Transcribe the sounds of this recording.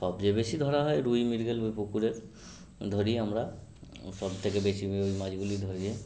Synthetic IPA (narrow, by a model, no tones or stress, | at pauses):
sɔbd͡ʒebesid̪ʱɔɾaɦɔeɾujmiɾɡelbojpukuɾeɾ | d̪ʱɔɾiɦəmɾa | sɔbt̪ʰekebesiojmad͡ʒɡulid̪ʱɔɾie